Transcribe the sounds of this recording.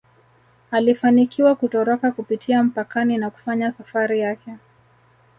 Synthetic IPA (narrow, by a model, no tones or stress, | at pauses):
alifanikiwakutɔɾɔkakupitʰiam̩pakaninaku̥faɲasafaɾijakɛ